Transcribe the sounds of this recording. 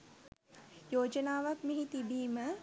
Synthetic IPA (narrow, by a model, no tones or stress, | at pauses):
joːd͡ʒənaːʋakmeɦit̪ibiːmə